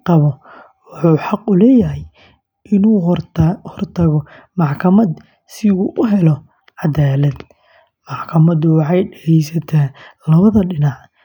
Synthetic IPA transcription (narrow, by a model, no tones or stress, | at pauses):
qɑβɔ | wʊħuːħɑqʊlɛːjɐɦɛj | ʔɪnuːhɔrt̪ʰɐɣɔ | mɑħkʰɐmɐd̪ | sɪuːʔʊɦɛlɔ | ʕɑd̪aːlɐd̪ | mɑħkʰɐmɐd̪ʊwɑħɑjɖɛɣɛjsɐt̪ʰaːlɐβɐðɐɖɪnɑʕ